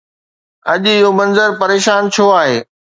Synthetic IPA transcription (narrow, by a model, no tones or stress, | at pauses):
ɐ̰ʄɪɦomɐ̃nzəɾpɐɾeːʃaːnt͡ɕʰoaːɦeː